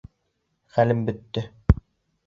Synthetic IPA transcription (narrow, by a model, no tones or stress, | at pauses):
χælɘmbɵ̆t̪ːɵ